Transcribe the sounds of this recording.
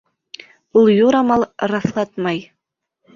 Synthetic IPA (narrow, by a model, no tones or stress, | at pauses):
ulˠjuɾɑmɑlˠɾɑθlˠɑt̪mɑj